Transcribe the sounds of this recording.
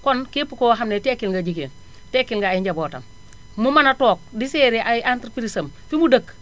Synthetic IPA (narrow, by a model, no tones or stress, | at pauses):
kɔnkipːukowɦamnetekːilŋɡad͡ʒikeːn | tekːilŋɡaːiɲɟaboːta̰m | mumanatoːk̚diseːɾiʔaʔantɾpiɾisɐmfimudək